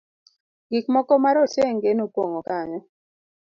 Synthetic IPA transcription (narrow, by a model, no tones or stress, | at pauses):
ɡɪkmɔkɔmaɾotjeŋɡenopwoŋokaɲɔ